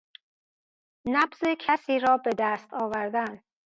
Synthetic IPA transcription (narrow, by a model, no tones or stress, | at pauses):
næbzecʰæsiːɾɒːbe̞d̪æst̪ʰɒːvæɾd̪æn